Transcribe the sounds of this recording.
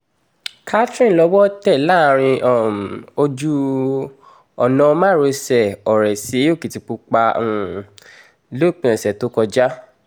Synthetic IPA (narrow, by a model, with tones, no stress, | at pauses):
kʰa˦tɾĩ˦˨lɔ˧˦wɔ˦tɛ˦˨la˦˨˧ɾ̃ĩ˧ɔ˨o˧d͡ʒu˦ | ɔ˨nɔ̃˨˧mã˦˨ɾo˧sɛ˨ɔ˨ɾɛ˨si˨˦o˦˨ki˨ti˧k͡pu˧k͡pã˧˨ | lo˦˨k͡pɛ̃˨sɛ˨to˨˦kɔ˧d͡ʒa˦